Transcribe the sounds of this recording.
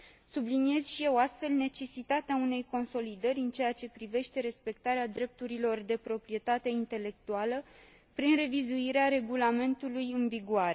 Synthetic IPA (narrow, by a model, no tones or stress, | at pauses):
sublinije̞zʃije̞wast̪fe̞lne̞t͡ʃe̞sit̪at̪eaune̞jko̞nso̞lid̪əɾʲɨnt͡ʃe̞jat͡ʃe̞pɾive̞ʃt̪e̞ɾe̞spe̞kt̪aɾead̪ɾe̞p̚t̪uɾilo̞rd̪e̞pɾo̞pɾije̞t̪at̪e̞int̪e̞le̞k̚t̪ualə | pɾinre̞vizuiɾeaɾe̞ɡulame̞nt̪ulujɨnviɡuaɾe̞